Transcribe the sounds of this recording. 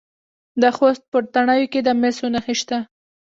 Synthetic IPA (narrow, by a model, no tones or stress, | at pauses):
d̪əxost̪̚pət̪aɳɑjoked̪əmesonaxeʃt̪a